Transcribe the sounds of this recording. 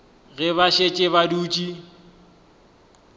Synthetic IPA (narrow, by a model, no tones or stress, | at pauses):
ɣɛβaʃet͡ʃʼɪβaduːt͡ʃʼi